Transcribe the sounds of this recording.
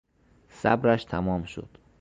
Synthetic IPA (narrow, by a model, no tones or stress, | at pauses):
sæ̰bɾæʃt̪ʰæmɒːmʃo̰d̪̥